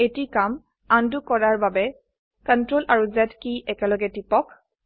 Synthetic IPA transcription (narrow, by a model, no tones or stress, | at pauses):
etikam | andukɔɹaɹbabɛ | kəntɹolʔaɹuzɛtkiʔɛkɛlɔɡɛtipɔk